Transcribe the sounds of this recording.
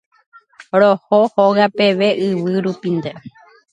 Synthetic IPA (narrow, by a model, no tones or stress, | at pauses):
ɾohohoɣape̞ʋe̞ʔɨʋɨɾupind̪e